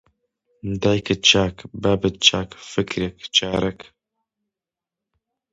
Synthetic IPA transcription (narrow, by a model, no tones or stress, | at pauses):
d̪ajkɨt͡ʃaːkbabɨt̪̚t͡ʃaːkfɨkɾekt͡ʃaːɾʔɛk